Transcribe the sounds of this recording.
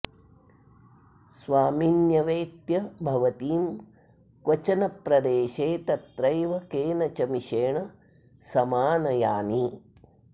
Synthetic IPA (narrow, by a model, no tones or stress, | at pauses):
sʋaːminjɐʋeːt̪jɐbʱɐʋɐt̪iːm | kwɐt͡ʃɐnɐpɾɐd̪eːʃeːt̪ɐt̪ɾɐjʋɐkeːnɐt͡ʃɐmiʃeːɳɐ | sɐmaːnɐjaːni